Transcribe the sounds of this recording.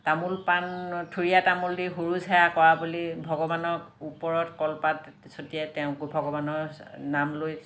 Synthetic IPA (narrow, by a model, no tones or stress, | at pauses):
tamulpantʰuɹijatamuldiɦuɹuzajakɔɹabulibʱɔɡɔbanɔkupɔɹɔtkɔlpat | sotiɛtɛʊ̃ɡbʱɔɡɔbanɔɹnamloj